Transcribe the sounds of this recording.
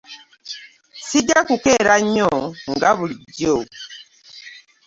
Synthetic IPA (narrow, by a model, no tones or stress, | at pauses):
sid͡ʒakukɛɾaɲɔŋɡaβulid͡ʒjo